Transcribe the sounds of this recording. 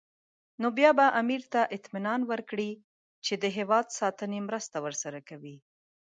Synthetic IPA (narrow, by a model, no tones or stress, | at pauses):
nobjɑbaʔamiɾt̪aʔɪt̪mɪnɑnwəɾkɽi | t͡ʃed̪əɦewɑd̪sɑt̪ənemɾəst̪awəɾsaɾakawi